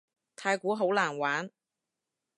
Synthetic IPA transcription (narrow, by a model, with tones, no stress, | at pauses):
t̪ʰaː˧jkʷuː˨˥ɦo˨˥wlaː˨˩nwaː˨˥n